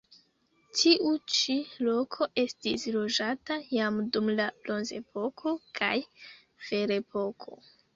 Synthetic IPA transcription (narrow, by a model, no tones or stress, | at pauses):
tʰiʔut͡ʃilo̞kʰo̞ʔe̞stislo̞d͡ʒatajamdumlablo̞nze̞̰po̞kʰo̞kʰa̰j | fe̞ɾe̞pʰo̞kʰo̞̰